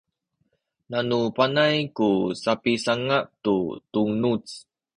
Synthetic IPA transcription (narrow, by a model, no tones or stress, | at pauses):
nanupanajkusapisaŋaʔt̪ut̪uŋnut͡s